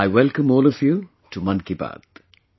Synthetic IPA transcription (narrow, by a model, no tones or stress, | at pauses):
aɪwɛlkə̃mɔːlɔvju | ʈʰumʌ̃nkiba̰ːd̪̥